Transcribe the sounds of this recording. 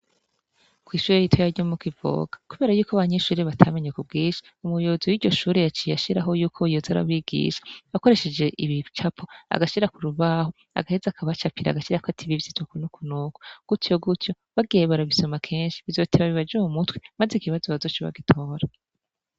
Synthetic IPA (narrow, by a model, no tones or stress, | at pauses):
kwiːʃuːɾejitʰojaɾɟomukivo̰ːɡ̥ḁkuβe̞ːɾajuːkoaβaɲeʃuːɾiβatʰaːmeɲekub̚ɡiːʃḁ | umujoziwiɟo̞ʃuːɾejat͡ʃijaʃiɾaɦo̞juːkʰojozaɾa̰βiɡḭʃḁβako̞ɾe̞ʃe̞d͡ʒe̞ʔiβit͡ʃapʰoa̰ɡaʃiɾakuɾuβaːho | a̰ɡahezakʰaβat͡ʃapʰiɾa̰ɡaʃiɾakatʰiβivjitwakunukunuːko̥ɡ̥utjo̞ɡutjo̞ | βaɡijeβaɾaβiso̞makʰe̞ːnʃi̥βizo̞tʰeβaβiβad͡ʒumumutwi̥mazikiβazo̞βazot͡ʃiβa̰ɡitʰo̞ːɾa